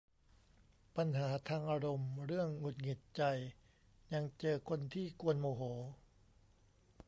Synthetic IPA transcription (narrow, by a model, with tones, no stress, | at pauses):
pa˧nɦaː˩˦t̪ʰaː˧ŋʔaː˧ɾo˧mɾɯ˥˩əŋːu˨˩t̪̚ŋi˨˩t̪̚t͡ɕa˧j | ɲa˧ŋt͡ɕɤː˧kʰo˧nt̪ʰiː˥˩ku˧ənmoː˧ɦoː˩˦